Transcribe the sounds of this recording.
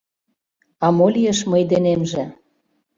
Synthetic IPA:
ɑmolʲijəʃmɤjd̪enemʒĕ

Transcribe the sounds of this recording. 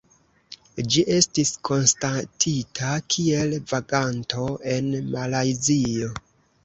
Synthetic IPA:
d͡ʒiʔe̞stiskʰo̞nstatʰitʰakʰie̞lvaɡanto̞e̞nmalajzio̞

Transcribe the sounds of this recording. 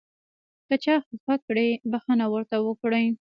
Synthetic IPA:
kət͡ʃɑxəfakɽebaxənawəɾt̪awəkɽəj

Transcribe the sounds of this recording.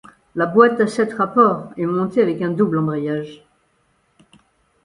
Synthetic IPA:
labwat̪asɛt̪ʁapɔʁɛmɔ̃t̪eavɛkɛ̃d̪ublɑ̃bʁɛjaʒ

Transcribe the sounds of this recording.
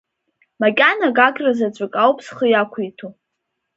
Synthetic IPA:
makʲʼanaɡakʲʼrazat͡ʃʷʼɨkʼawpʰʼsχəjakʷʰitʰu

